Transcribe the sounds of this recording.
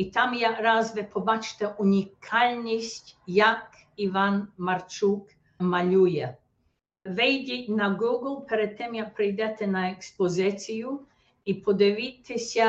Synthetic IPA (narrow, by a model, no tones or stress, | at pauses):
it̪amjaɾazʋɛpʰobat͡ʃt̪ɛʔunikʰalnist̪ʲjak | ivanmaɾt͡ʃuk | malujɛ | vɛjd̪ʲinaɡuɡlˠpɛɾɛt̪ːɛmjapɾɛjd̪ɛt̪ɛnaɛkspozɛt̪siju | ipʰod̪ɛʋit̪ʰɛsʲa